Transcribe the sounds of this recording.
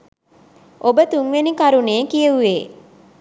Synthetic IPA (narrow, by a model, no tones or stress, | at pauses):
ʔobət̪uŋʋenikaɾuneːkijəʋuʋeː